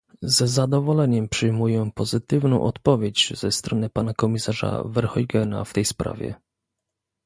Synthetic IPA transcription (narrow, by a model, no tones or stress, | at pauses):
zɛzad̪ɔvɔlɛɲɛmpʂɘjmujɛpɔzɘt̪ɘvnɔ̃w̃ʔɔt̪pɔvʲjed͡ʑz̥ɛst̪ɾɔnɘpanakɔmʲisaʐa̰vɛɾxɔjɡɛna̰ft̪ɛjspɾa̰vʲɛ̰